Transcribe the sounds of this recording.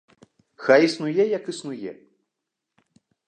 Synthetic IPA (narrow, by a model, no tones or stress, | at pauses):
xajisnujɛjɐkɨsnujɛ̰